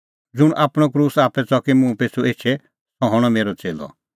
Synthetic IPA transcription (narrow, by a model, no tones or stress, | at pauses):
d͡zʊɽ̃ʔaːpɽ̃ɔkɾuːsaːpɛt͡sɔkimũpeːt͡sʰuʔeːt͡ʃʰɛ | sɔɦɔɽ̃ɔmeːɾɔt͡seːlɔ̰